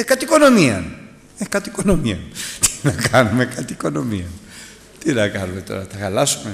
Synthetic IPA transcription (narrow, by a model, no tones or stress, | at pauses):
ekɐt̪iko̞no̞miɐ̰n | ekɐt̪iko̞no̞miɐ̰nt̪i̥nɐkɐnumekɐt̪iːko̞no̞miɐn | t̪inɐkɐnume̞t̪o̞̰ɾɐθɐxɐlɐsume̞